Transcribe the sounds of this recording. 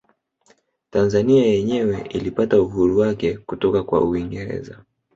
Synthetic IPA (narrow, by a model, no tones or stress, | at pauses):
tanzaniajɛɲɛwɛʔilipatauɦuɾuwakɛkutɔkakwa̰uiŋɡɛɾɛ̰za